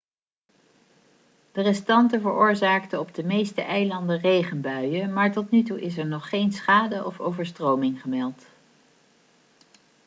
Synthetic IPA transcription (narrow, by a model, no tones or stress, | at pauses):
d̥ərɛstɑntəvəɹʊːɹzaːktəɔb̚dəmejstəʔɛjlɑndərejχənbœɥəmaːɹtɔtnytuʔɪs̬ɛɹnɔχːejnsχaːdəʔɔfo̰wvəɹstrowmɪŋχəmɛlˠt